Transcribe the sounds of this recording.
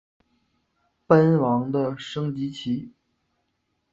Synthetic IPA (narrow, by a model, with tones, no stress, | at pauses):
pə˥nwɑ˧˥ŋd̪ə˧ʂɤ˥ŋt͡ɕi˧˥t͡ɕʰi˧˥